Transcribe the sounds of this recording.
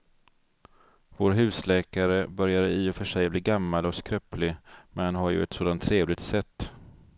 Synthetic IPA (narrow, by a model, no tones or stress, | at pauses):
voːɾɦʉ̟ːslɛːkaɾəbœɾjaɾəiːɔfœʂɛjbliːɡamːalɔskɾœplɪmɛnhanɦaɾjɵ̰ɛt̪soːd̪ant̪ʰːɾeːvlɪɡ̚t̪sɛt̪ː